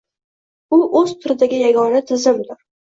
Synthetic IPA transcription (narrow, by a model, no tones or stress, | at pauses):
ʊʔɵz̥t̪ʰʊɾɪd̪aɡʲɪjaɡɒnat̪ʰɪzɪmd̪ʊɾ